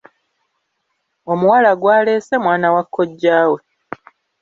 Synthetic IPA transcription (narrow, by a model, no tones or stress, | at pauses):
o̞muwalaɡwaːle̞ːsemwaːnawakʰːo̞ɟːaːwe̞